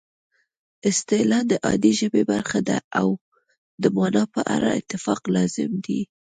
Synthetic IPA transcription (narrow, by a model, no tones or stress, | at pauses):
ɪst̪elɑd̪əʔɑd̪iʒəbebaɾxad̪aaw | d̪əmɑnɑpəʔaɾaɪ̰t̪ːɪfɑqlɑzɪmd̪i